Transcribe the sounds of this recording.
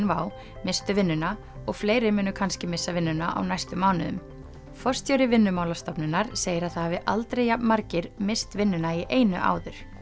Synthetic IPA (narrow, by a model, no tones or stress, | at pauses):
nvaːw | mɪst̪ʏvɪnːʏna | ɔɣfleːjɾɪmʏːnʏkʰanscɪmɪsːavɪnːʏnaʔa̰wnajst̪ʏmːaːwnʏðʏ̰m | fɔr̥st̪jœːɾɪvɪnːʏmawlast̪ɔpnɪnːaɾ̥seːjɪɾaðθahavɪʔalt̪ɾejapnmaɾcɪɾmɪst̪vɪnːʏnaiʔeːjnʏ̰ʔa̰ːwðʏɾ̥